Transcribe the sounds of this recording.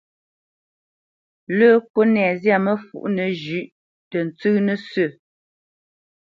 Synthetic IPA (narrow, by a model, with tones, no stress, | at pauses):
ləː˦ko˦nɛ˨zja˦˨mə˦fṵ˨ʔnə˨d͡ʒʉ˨ʔ | tə˨n̩˨t͡sʉ˦nə˦sə˦˨